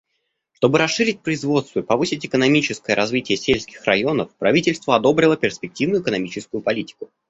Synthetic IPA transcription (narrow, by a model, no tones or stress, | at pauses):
ʂt̪o̞bɨɾɐsʂːɨɾʲɪt̚ʲpɾəɪzvo̞t̪st̪vəɪpɐvɨsʲɪtʲɪkənɐmʲit͡ɕɪskəjəɾʔɐzvʲitʲɪjəsʲelʲsʲkʲɪxrɐ̰jo̞nəfpɾɐvʲitʲɪlʲst̪vəɐd̪o̞bɾʲɪlˠəpʲɪrspʲɪk̚tʲivnʊɪkənɐmʲit͡ɕɪskʊjʊpɐlʲitʲɪ̥kʊ